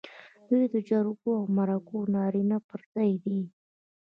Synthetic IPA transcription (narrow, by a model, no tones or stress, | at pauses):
d̪̥ujd̪əd͡ʒaɾuɡoawmaɾakonɑɾinapəɾz̥ɑjd̪i